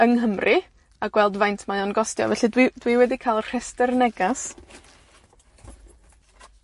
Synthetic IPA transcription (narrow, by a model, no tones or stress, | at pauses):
əŋɦəmrʔɨ | aɡ̥wɛlˠdvajntʰmajɔnɡɔstjɔ̰vɛɬɨdwid̥wiwɛdikʰalˠr̥ɛstɛrnɛɡas